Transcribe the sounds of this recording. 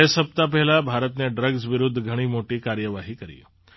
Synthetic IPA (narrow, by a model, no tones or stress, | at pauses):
esəp̚t̪apɛɦɛlabʱaɾət̪neɖɾəɡzʋɪɾʊd̪ʱːɡʱəɽ̃imoʈikaɾjəʋaɦikəɾḭ